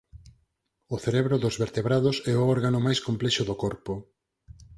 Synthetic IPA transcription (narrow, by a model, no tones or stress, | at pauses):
ʊθeɾeβɾoðʊzβeɾt̪eβɾaðʊsɛoɔɾɣanʊmajskomplɛʃʊðokɔɾpo